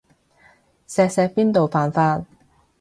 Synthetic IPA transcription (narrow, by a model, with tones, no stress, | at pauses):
sɛː˧k̚sɛː˧k̚piː˥nt̪o˨wfaː˨nfaː˧t̚